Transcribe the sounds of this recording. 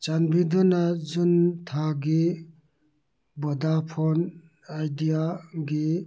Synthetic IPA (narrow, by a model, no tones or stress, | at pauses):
t͡ʃanbid̪ɔnazunt̪ʰaɡi | bɔd̪apʰɔn | ajdijaɡi